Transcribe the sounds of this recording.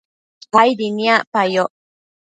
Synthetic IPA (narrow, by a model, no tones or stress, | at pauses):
ɣajd̪iniapajoʔ